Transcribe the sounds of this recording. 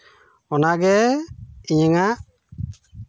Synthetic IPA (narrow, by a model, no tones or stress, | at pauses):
ɔnaɡɛ | iɲəŋaʔ